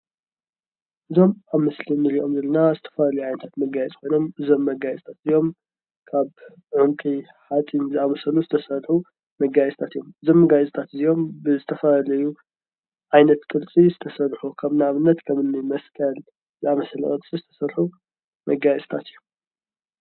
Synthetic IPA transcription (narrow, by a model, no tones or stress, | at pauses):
ʔɨzo̞maβmɐslinɨɾiʔo̞mzɐlɐnazɨt̪ʰɐ̥fllɐjuʕajnɐt̪ʰat̪mɐɡajɛt͡sʼkʰo̞jno̞mɨzo̞mːɐɡajɛsʼt̪ʰat̪ɨzijo̞m | kʰaβ | ʕuŋkʼi | ħat͡s̪ʼinzɨamɐsɐluzɨt̪ʰɐsɐɾħu | mɐɡajɛsʼt̪ʰat̪ɨjːomɨzo̞mːɐɡajɛsʼt̪ʰat̪zijo̞mbɨzɨt̪ʰɐfɐlɐju | ʕajnɐt̪kʼɨɾt͡sʼizɨt̪ʰɐsɐlħukʰɐβnaaβɨnːɐt̪kʰɐmɨnːimɐskʰɐl | zɨamɐsɐlɐ̰kʼɨɾt͡sʼizɨt̪ʰɐ̥sɐlħu | mɐɡajɛsʼt̪ʰat̪ɨjːum